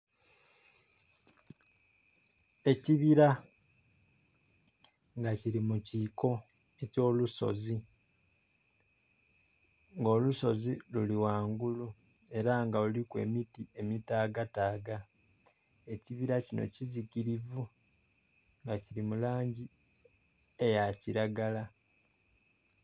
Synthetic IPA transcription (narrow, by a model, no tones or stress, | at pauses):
e̞ciβiɾa | ŋɡaciɾimuciko̞ | eco̞ːluso̞̰zi | ŋɡo̞ːluso̞ziluliwaːŋɡulu | e̞ɾaŋɡaulikwe̞̰ːmitie̞mitaːɡataːɡa | e̞ciβiɾacino̞̰ciziciɾivu | ŋɡaciɾimulaːɲɟi | e̞jaciɾaɡala